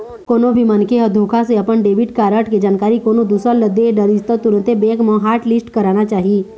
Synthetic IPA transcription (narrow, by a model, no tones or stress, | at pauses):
koːnõbʱimənkʰeɦəd̪ʱoːkʰaseɐpəɳɖeːbɪʈkaːɾəʈked͡ʒaːnkaːɾikoːnõd̪usələd̪eɖəɾɪd͡ʒt̪at̪ʊɾə̃nt̪ebeːkmãɦaːɾʈlɪsʈkəɾaːnat͡ʃaːɦie